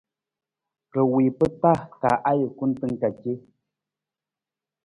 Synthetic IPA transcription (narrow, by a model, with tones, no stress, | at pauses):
kə˨wi˨pə˦ta˦˨ka̰˨ʔa˦jə˨ku˦n˦tɨ˦ŋ˦˨ka˨ke˦